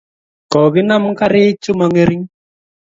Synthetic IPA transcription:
kɔ˨βɪ˦na˦m̩˦ka˦ɾe˦t͡ʃʊ˦ma˨ŋe˦ɾi˦ŋ

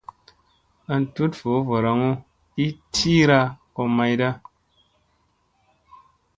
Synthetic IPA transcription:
ə˦n̩˨tu˦tfo˨˦vo˨ɾa˨ŋo˦ | i˦tʰi˦ɾa˧kɔ˧ma˧jda˦

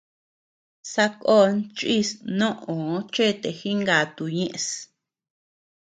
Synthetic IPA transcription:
sa˧ko˦nt͡ʃi˦snõ˦ʔõ˨˦t͡ʃe˦˨t̪e˨xi˦ŋɡa˨t̪u˨ɲẽ˦ʔs

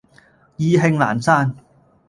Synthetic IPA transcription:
jiː˧ɦɪ˧ŋla̰ː˨˩nsaː˥n

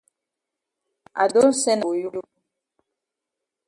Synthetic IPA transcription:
a̰˨do˦n˦sɛ˦no˨ju˦lu˦

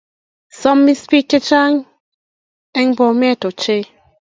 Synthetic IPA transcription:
sɔ˦mːi˦spi˦kːe˦t͡ʃa˦ŋ | ɛ˦ŋ˦bɔ˨me˦˨to˨t͡ʃe˦

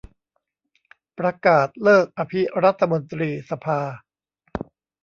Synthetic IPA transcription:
pɾa˧kaː˨˩t̪̚lɤː˥˩k̚ʔa˧pʰi˦˥ɾa˦˥t̪ʰːa˧mo˧nt̪ɾiː˧sa˧pʰaː˧

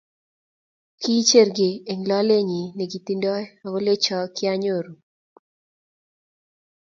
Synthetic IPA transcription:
ki˦t͡ʃe˦ɾɡɪ˨e˨ŋlɔ˦le˦ɲi˨ne˨ɡi˨t̪i˦ndɔ˦ɛ˦a˨ɡo˦le˦t͡ʃɔ˦kɪ˦a˦ɲo˦˨ɾu˨

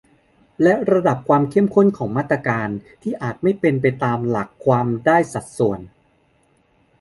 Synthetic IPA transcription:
lɛ˦˥ɾa˧da˨˩p̚kʰwaː˧mkʰe˥˩ə˨mkʰo˥˩nkʰɔː˩˦ŋmaː˥˩t̪ːɾa˧kaː˧nt̪ʰiː˥˩ʔaː˨˩t̪̚ma˥˩jpe˧np̬a˧jt̪aː˧mla˨˩kʰːwaː˧mdaː˥˩jsa˨˩t̪̚su˨˩ən

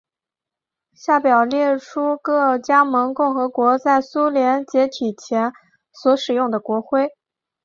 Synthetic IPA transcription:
ɕja˥˩pjɑ˨˩ʊljɛ˥˩ʈ͡ʂʰu˥kɤ˥˩t͡ɕja˥mɤ˧˥ŋkʊ˥˩ŋxɤ˧˥kwɔ˧˥t͡sa˥˩ɪsu˥ljɛ˧˥nt͡ɕjɛ˧˥t̪ʰi˨˩t͡ɕʰjɛ˧˥n | swɔ˧˥ʂɻ̩˨˩jʊ˥˩ŋd̪ə˩kwɔ˧˥xwe˥˩ɪ

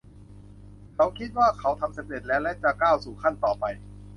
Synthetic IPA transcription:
kʰa˦˥wkʰi˦˥t̪̚waː˥˩kʰa˦˥wt̪ʰa˧mse˨˦d̪e˨˩t̪̚lɛː˦˥wlɛ˦˥t͡ɕa˨˩kaː˥˩wsuː˨˩kʰa˥˩nt̪ɔː˨˩pa˧j

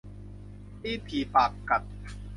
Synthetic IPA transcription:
iː˥˩t̪ʰiː˨˩paː˨˩k̚ka˨˩t̪̚

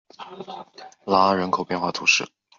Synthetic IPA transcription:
la˧˥ɻə˧˥nkʰo˨˩ʊpjɛ˥˧nxwa˥˩t̪ʰṵ˧˥ʂɻ̩˥˩

